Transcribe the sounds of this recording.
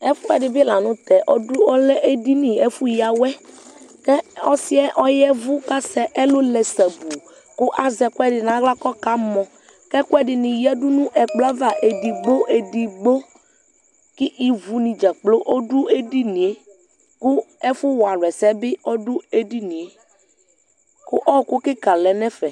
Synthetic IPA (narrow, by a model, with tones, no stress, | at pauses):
ɛ˦fʊ˦ɛ˨ɖɪ˨bɪ˦la˨nũ˦t̪ɛ˨ʔɔ˦dʊ˦ɔ˦lɛ˦ʔe˦di˦nĩ˨e˦fu˦ji˦a˨wɛ˦kɛ˦ɔ˦si˦ɛ˦ʔɔ˦jɛ˦vu˦ka˦sɛ˦ʔɛ˦lo˦lɛ˨sɛ˨bu˨ | kʊ˦ʔa˨zɛ˨ku˦ɛ˦ɖɪ˨nã˨˦ɣla˦kɔ˦ka˦mɔ̃˨ | kɛ˦ku˦ɛ˦ɖɪ˨nĩ˨jɛ˦du˦nũ˦ʔɛ˨k͡plɔ˦va˦ʔe˨di˨ɡ͡bo˦ʔe˨di˨ɡ͡bo˦ | kɪ˦ʔi˨vu˨nĩ˨d͡ʒa˨k͡plo˦ʔo˦du˦e˦di˦nĩ˨e˦ | ku˦ɛ˦fu˦wa˨lwɛ˨sɛ˦bɪ˦ɔ˦du˦e˦di˦nĩ˨e˨ | kʊ˦ʔɔ˦kʊ˦kɪ˦ka˨lɛ˨nɛ̃˦fɛ˨